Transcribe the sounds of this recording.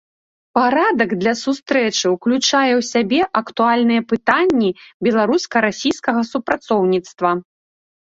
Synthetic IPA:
paɾad̪ɐɡd̪lʲɐsust̪ɾɛt͡ʂɨwklʲut͡ʂajɛwsʲabʲɛʔɐkt̪ualʲnɨjɐpɨt̪anʲːibʲɛlˠaɾuskɐɾasʲijskɐɣɐsupɾat̪sɔwnʲit̪st̪vɐ

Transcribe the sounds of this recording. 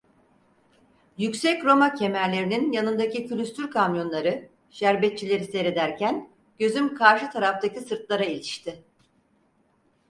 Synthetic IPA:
jycsɛcɾo̞macʰe̞mæɾlʲe̞ɾininjanɯnd̪acicylʲyst̪yɾkʰamjo̞nlˠaɾɯ | ʃæɾbɛt̪̚t͡ʃʰilʲe̞ɾise̞ɾe̞d̪æɾcʰæn | ɟ̥ø̞zymkʰaɾʃɯt̪ʰaɾaft̪acisɯɾt̪lˠaɾailʲiʃt̪ʰɪ

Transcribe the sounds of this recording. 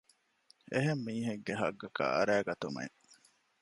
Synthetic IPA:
eɦemːiːɦeɡːeɦɐɡːɐka̰ɐ̰ɾæːɡɐt̪umḛ

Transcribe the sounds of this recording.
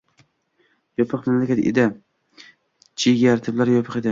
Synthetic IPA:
jɒpʰɨqmamlakʲat̪ḛd̪ɪ | t͡ʃʰiɡʲaɾt̪ʰɪblaɾjɒpʰɨqed̪ɪ

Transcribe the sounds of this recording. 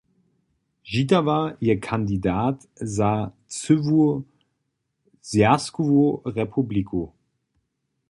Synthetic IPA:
ʒitɐvaːɐʔiːɐkʰandidaːt | zaː | t͡syvu | zjaskuvoʁepʰublikʰo

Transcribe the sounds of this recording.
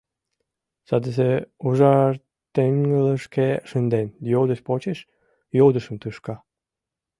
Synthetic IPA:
sɑd̪əs̬euʒɑr | t̪eŋŋələʃkeʃənd̪enjowd̪əʃpot͡ɕeʃ | jowd̪əʃəmt̪ɨʃkɑ

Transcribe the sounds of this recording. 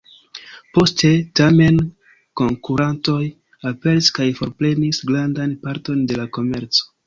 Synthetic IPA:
po̞ste̞tame̞n | ko̞ŋkuɾanto̞j | ape̞ɾiskajfo̞ɾple̞nisɡɾandanpaɾto̞nde̞lako̞me̞ɾt͡so̞̥

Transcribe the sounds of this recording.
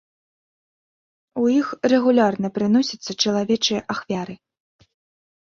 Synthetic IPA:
ujixrɛɣulʲarnɐpɾɨnɔsʲɐt̪sːɐt͡ʂɐlˠavʲɛt͡ʂɨjɐʔaxvʲaɾɨ

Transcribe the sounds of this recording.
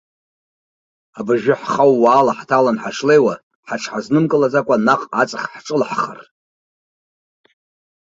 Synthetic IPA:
abaʒᶣɪħχawːaːlaħtʰalanħaʂle̞jwa | ħaʈ͡ʂʰħaznɨmkʼɨlad͡zakʷʼanaqʼat͡sʼaχħʈ͡ʂʼɨlħχa̰r

